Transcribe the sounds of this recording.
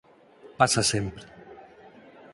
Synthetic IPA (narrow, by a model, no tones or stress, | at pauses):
pasasempɾe